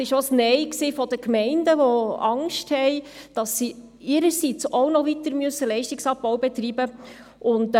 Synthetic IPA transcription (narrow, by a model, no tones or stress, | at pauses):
ɪʃosnɛɪksiːfɔd̥əkmɛɪndəʋɔɑŋʃthɛɪ | d̥ɑsːi | ɪɾəɾsit͡soʊnɔʋit̪əɾmyøəsːəlɛɪʃtɪksɑp̚ːɔwbɛt̪ɾiːbə | ʔʊnt